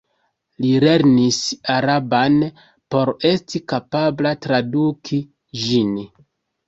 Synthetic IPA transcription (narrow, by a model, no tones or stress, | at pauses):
lile̞ɾnisaɾaban | po̞ɾe̞stikapablatɾadukʰi | ʒin